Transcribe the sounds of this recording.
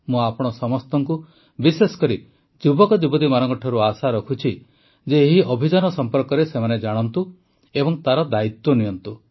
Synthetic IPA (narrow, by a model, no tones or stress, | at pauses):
mũapɔɽ̃ɔsɔmɔst̪ɔŋku | bisesɔ̥kɔɾi | d͡ʒubɔkɔd͡ʒubɔd̪imaɾɔŋkɔʈʰɔɾuasaɾɔkʰut͡ʃʰi | d͡ʒeːɦiʔɔbʱid͡ʒanɔsɔmpɔɾkɔɾesemaned͡ʒaɽ̃ɔnt̪u | ebɔŋt̪aɾɔd̪ait̪wɔnijɔnt̪u